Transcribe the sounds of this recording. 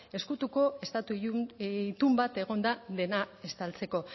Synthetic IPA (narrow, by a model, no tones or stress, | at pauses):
e̞skut̪uko̞e̞st̪at̪u | t̪umbat̪e̞ɣ̞o̞nd̪aðe̞nae̞st̪alt͡se̞ko̞